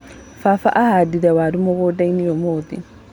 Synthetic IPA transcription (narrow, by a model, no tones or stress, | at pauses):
fafaʔahadidawaːdumoɡoːdajnijomod̪ḭ